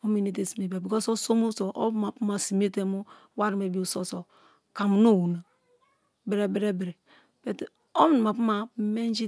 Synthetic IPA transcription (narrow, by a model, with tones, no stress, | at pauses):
o˦mi˨ne˨t̬e˨si˨m˨e˨be˨bi˨ko˦so˦so˦mu˦so˨ʔo̰˦bma˨pu˦ma˨si˨m˦e˦te˦mu˦ | wa˦ɾi˨me˨bi˦u˨so˦so˨ | ka˨mu˨no˦˨wu˨na˨ | be˨ɾe˨be˦ɾe˦be˨ɾe˨ | pe˨t | o˦m˦˨n˨ma˨pu˦ma˨˦me˦n˦d͡ʒi˦